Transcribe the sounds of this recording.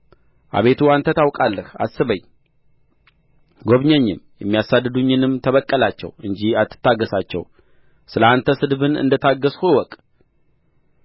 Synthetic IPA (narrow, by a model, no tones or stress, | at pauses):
ʔa̰βe̞t̪ʰuant̪ʰət̪ʰawkʼalːəha̰sːɨβəɲ | ɡo̞βɲɛɲːɪmjɛmːijasad̪ːɨd̪uɲːɪnɨmt̪ʰəβəkʼːəlat͡ʃːɛ̰wɨɲd͡ʒiat̪ʰːɨ̥t̪ːaɡːəsat͡ʃːɛ̰w | sɨləant̪ʰəsɨd̪bɨnɨ̰nd̪ət̪ʰaɡːəshuwɔkʼ